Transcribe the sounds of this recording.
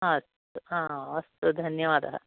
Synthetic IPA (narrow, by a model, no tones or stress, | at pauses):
aɐst̪uãːɐst̪ud̪ʱɐnjɐʋaːd̪ɐɦɐ̰